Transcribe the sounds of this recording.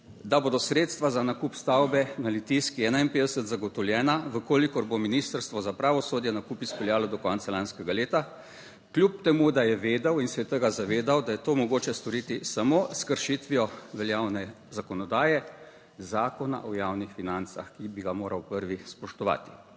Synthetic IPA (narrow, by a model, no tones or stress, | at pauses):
d̪aboːd̪ɔsɾeːt̪st̪ʋazanakupst̪awbɛnalit̪iskiɛːnainpeːd̪ɛsət̪zaɡɔt̪ɔwljɛːnaʋəkoːlikɔɾbominiːst̪əɾst̪ʋɔzapɾaːʋɔsoːd̪jɛnakupispɛljaːlɔd̪ɔkɔnt̪salanskɛɡaleːt̪a | klʲjup̚t̪ɛmud̪ajɛʋeːd̪awinsɛt̪əɡazaʋeːd̪awd̪ajɛt̪oːmɔɡoːt͡ʃɛst̪ɔɾiːt̪isamoskəɾʃit̪ʋijɔʋɛljaːwnɛ | zakɔnɔd̪aːjɛ | zaːkɔna̰ʔɔjaːwnixfinant̪sa̰xkibiɡamoːɾawpəɾʋispɔʃt̪ɔʋa̰ːt̪i̥